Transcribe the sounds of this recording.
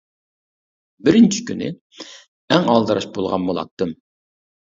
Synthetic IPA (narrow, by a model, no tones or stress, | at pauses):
bɪɾɪnt͡ʃʰi̥kʲʰynɪ̰ | ɛŋɑlˠd̪ɨɾɑʃbolˠʁɑ̰nbolˠɑ̰t̪ːɨm